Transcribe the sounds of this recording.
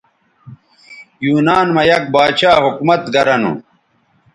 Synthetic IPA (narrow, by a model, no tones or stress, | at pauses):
juːnaːnmɐjɐk̚baːt͡ɕaːɦukmɐt̪ɡɐɾɐnṵ